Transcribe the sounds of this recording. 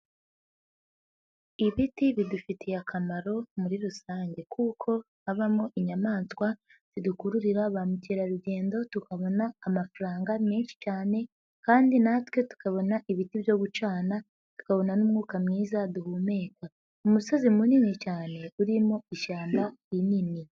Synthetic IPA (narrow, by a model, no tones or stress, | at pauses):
iβitiβidufitʰijakʰamaɾo̞muɾiɾusaːɲɟe̞kuːkʰo̞ | haβamoʔiɲamaːnskwa | z̥idukuɾuɾiɾaβamuciɾaɾuɟe̞ːndo̞tukʰaβo̞naːmafaɾaːŋɡameːnʃi̥t͡ʃaːne̞ | kaːndinatwe̞tu̥kaβo̞naʔiβitivjo̞ɡut͡ʃaːna | tu̥kaβo̞nanumŋuːkamŋiːzaduhuːme̞ːka | umuso̞zimuninit͡ʃaːne̞uɾimo̞iʃaːmbainini